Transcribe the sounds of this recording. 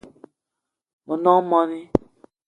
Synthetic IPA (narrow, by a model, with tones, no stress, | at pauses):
mə̃˨nɔ̃˦mɔ̃˦ni˦